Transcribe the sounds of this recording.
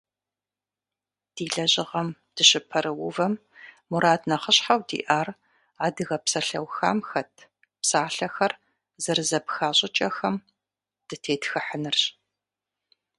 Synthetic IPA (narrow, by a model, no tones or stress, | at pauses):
d̥iːɮɐʑɪʁɐm | d̥ɨɕɪpʰɐɾɨwʊvɐmː | uɾaːdnɐχəɕħawdḭːʔaːr | aːdɨɣɐpsɐɬɐ̰wxa̰ːmxɐtʰ | psaːɬɐxɐr | zɐrzɐpxaːɕʼɪt͡ʃʼɐxɐm | d̥ɨtʰeːtxɨħənɨrɕ